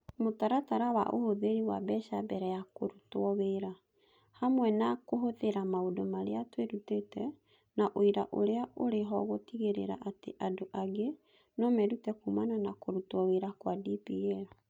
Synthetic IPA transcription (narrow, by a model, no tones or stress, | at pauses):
motaɾataɾawa̰ʔohoðeɾiwa̰bɛʃabɛɾɛjakoɾutwɔweɾa | hamwɛnakoɦoðeɾamaodomaɾeatweɾutetɛ | naʔoiɾa̰ʔoɾeaʔoɾeɦɔɣotiɣeɾḛɾa̰ʔateʔadoʔaɣe | nɔmɛɾutɛkumananakoɾutwɔweɾakwadipiɛɾa